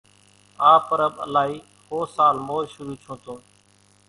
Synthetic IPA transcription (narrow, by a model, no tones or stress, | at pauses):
aːpəɾəɓə̰laːiː | hoːsaːlmoːʃʊɾuːt͡ʃʰõːt̪õː